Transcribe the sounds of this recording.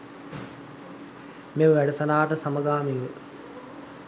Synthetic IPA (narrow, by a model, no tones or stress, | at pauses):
meməʋæɖəsɐnaːʈəsaməɡaːmiʋə